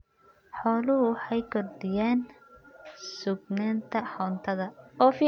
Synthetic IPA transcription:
ħɔːlʊɦʊwħɑjkʰɔrd̪ɪjaːn | sʊɡnaːnt̪ʰɐħɔːnt̪ʰɐðɐɔːfi

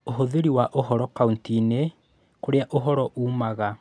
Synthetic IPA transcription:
oɦoðeɾiwaʔoɦɔɾɔkauntine | koɾeaʔoɦɔɾɔʔuːmaɣa

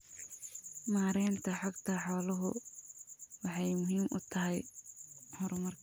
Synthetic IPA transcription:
maːɾɛjnt̪ʰɐħɑɡt̪ʰɐħɔːlɐɦʊ̰ | wɑħɑjmʊɦiːmʔʊ̰t̪ʰɐɦɛj | hɔɾmɐrkʰ

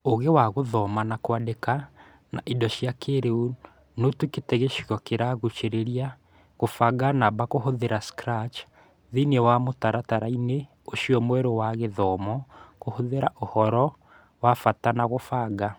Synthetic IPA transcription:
oɣewaɣoðɔmanakwadeka | na̰ʔidɔʃjakeɾeu | notuketɛɣeʃiɣɔkeɾaɣut͡ʃeɾeɾia | ɣofaɡanabakohoðeɾaskɾat͡ʃ | ðinewamotaɾataɾaine | oʃiɔmwɛɾowaɣeðɔmɔkohoðeɾaʔohɔɾɔ | wafatanaɣofaːɡa

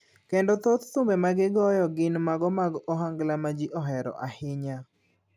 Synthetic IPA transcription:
kɛndɔt̪ɔt̪t̪ʊmbɛmaɡɪɡɔjɔɡɪnmaɡɔmaɡɔɦaŋɡlamad͡ʒiʔɔɦɛɾɔ̰ʔahɪɲa

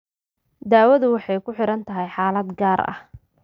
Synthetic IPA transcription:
d̪aːwɐðʊwɑħɑjkʰʊħɪɾɐnt̪ʰɐɦɛjħaːlɐd̪ɡaːɾɐ̰h

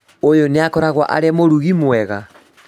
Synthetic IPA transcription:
ojoneakɔɾaɣwa̰ʔa̰ɾeamoɾuɣimwɛɣa

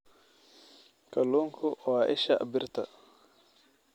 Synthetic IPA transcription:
kaloŋkʰuʔwaʔḛʃaʔa̰biɾt̪a

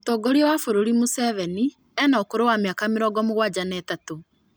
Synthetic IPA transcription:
tɔːɡɔɾiɔwafoɾoɾimusɛvɛni | ɛnaokoɾowameakameɾɔɡɔmoɣwad͡ʑanɛtato

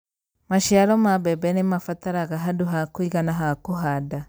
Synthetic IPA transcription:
maʃiaɾɔmabɛbɛnemafataɾaɣaɦaduɦakwiɣanaɦakoɦada

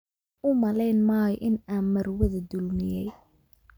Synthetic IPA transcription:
ʔʊmɐlɛjnmaːjɔʔɪnaːnmɐrwɐðɐd̪ʊlmɪjɛj

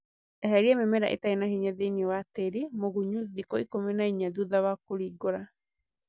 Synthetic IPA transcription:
ɛhɛɾiamemɛɾa̰ʔḛtainahiɲaðeniwateɾimoɣuɲuðikɔikominaiɲaðuðawakoɾiɡoɾa

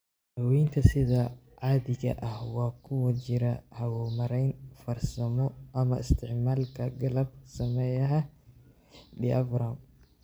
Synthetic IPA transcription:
hɐwint̪ʰɐsɪðɐ | ʕaːðɪɣɐ̰ʔɐhwɑːkʰʊwɐt͡ʃɪɾɐhɐwɔːmɐɾɛjnfɐrsɐmɔʔɐmɐɪst̪ʰɪʕmaːlkʰɐɡɐlɐb̚sɐmɛjɐɦɐ | d̪ɪʔɐvɾaːm

